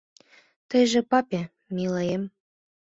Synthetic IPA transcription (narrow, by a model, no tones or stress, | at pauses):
t̪ɤ̆jʒĕpɑpʲe | mʲilɑjem